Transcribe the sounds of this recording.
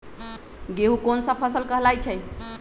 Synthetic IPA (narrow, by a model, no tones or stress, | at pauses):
ɡeɦukonsə̃pʰəsəlkəɦlajt͡ʃʰɛj